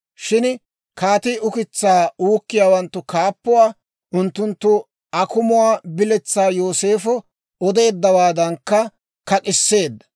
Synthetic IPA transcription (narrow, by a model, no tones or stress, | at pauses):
ʃɪn | kaːt̪ɪːʔʊkɪt͡sːaːuːkːɪjaːwɐnt̪ːʊkaːpːʊwaː | ʔʊnt̪ːʊnt̪ːʊ | ʔɐkʊmʊwaːbɪlɛt͡sːaːjoːse̞ːfɔ | ɔd̪e̞ːd̪ːɐwaːd̪ɐŋkːɐ | kɐkʼɪsːe̞ːd̪ːɐ̥